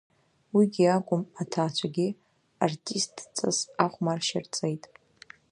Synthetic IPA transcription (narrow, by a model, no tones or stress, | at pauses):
wiɡʲiakʷʼʊmatʰaːt͡ɕʷʰaɡʲi | artʼistʰʼt͡sʼa̰saχʷmarʃa̰rt͡sʼejtʼ